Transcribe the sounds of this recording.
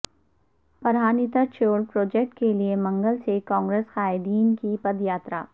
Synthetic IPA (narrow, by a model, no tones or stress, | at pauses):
pɐɾɦaːnit̪ət͡ʃoːlpɾoːd͡ʒek̚ʈkeliemɐ̃ŋɡəlsekɔ̃ːŋɡɾeːsxaːɪd̪iːnkipɐd̪jaːt̪ɾa̰ː